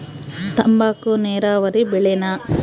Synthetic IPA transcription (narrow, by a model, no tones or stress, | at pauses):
t̪ɐmbaːkuneːɾaːʋɐɾibɛɭena